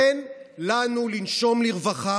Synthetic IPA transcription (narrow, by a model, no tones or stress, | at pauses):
enlanulinʃo̞mliʁvaχa